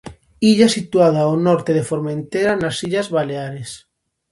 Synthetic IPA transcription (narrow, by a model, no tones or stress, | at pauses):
iʎasit̪uaðaonɔɾt̪eðefoɾmaent̪eɾanasiʎazβaleaɾes